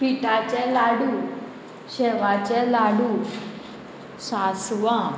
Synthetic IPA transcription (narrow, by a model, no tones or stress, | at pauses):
piʈat͡ɕɛ̃laɽu | ɕɛʋat͡ɕɛ̃laɽu | sasʋa